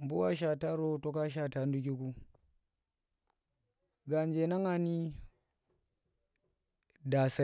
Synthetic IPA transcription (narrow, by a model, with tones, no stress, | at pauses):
mbu˦wa˦ʃ̬a˨ta˦ɾo˦to˦ka˦ʃ̬a˦˨ta˦n˦du˦k̬i˦ku˦ | ɡa˨nd͡ʒe˨na˦ŋa˦ni˦ | da˨sa˨